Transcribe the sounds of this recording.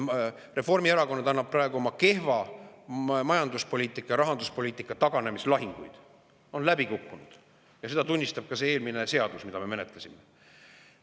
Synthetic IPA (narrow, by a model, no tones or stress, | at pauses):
re̞fo̞rmieɾɑko̞nːɑd̪ɑnːɑb̚pːrɑe̞ɡuo̞mɑke̞hvɑ | mɑjɑnd̪uspoliːt̪ːˑikːˑɑjɑɾɑɦɑnd̪uspo̞lʲiːt̪ːˑikːˑɑt̪ɑɡ̥ɑne̞mislɑɦiŋɡ̥ujd̪̥ | o̞nlæbikukːunud̪̥ | jɑse̞d̪ɑt̪unʲːist̪ɑb̥̚kɑsee̞ːlmine̞se̞ɑd̪̥usmid̪̥ɑme̞me̞net̪lesʲime